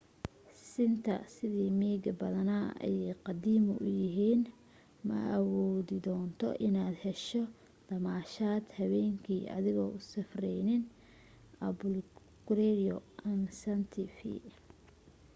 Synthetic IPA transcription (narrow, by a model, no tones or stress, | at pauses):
sɪnt̪ʰɐ̰sɪðiːmiːɡɐbɐðɐnaɛ̰jqɑd̪iːmʊʔʊjɪɦiːn | mɐ̰ʔwɔːðɪd̪ɔːnt̪ʰɔ̰ʔɪnaːd̪hɛʃɔ | d̪̥ɐmaːʃaːd̪hɐβɛːŋkʰiːʔɐ̰ðɪɣɔːʊsɐfrɛjnɪn | ɐbʊl | ɡ̥ʊɾɛɾɪɔɐnsɐnt̪ʰɪfḭ